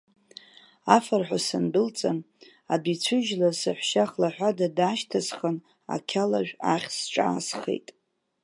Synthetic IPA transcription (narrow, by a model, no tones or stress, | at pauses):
afarħʷᶣasɨndɨlt͡sʼan | adit͡ɕʷʰɨʒlasɨħʷʃaχlaħʷᶣadadaːʃtʰasχən | a̰kʲʰalaʒᶣaχʲsʈ͡ʂʼa̰ːsχḛjtʼ